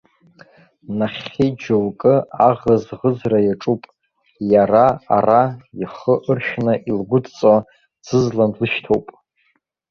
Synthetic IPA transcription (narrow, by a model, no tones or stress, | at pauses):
naχʲed͡ʒolkʼɨaʁazʁəzrajaʈ͡ʂʼupʼ | jaraa̰rajiχəʔɨrʃnɨʔilɡʷʊdt͡sʼo | d͡zɨzlanlɨʃtʰowpʼ